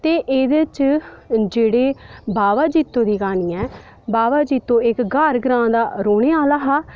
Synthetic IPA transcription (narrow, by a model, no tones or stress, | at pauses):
t̪eːʔeːd̪ət͡ʃ | d͡ʒeːɽeːbaːʋaːd͡ʒiːt̪ːõːd̪iːkaːniːɛː | baːʋaːd͡ʒiːt̪ːõːɪkɡəɾɡɾãːd̪aːɾoːɽeːaːlaːɦaː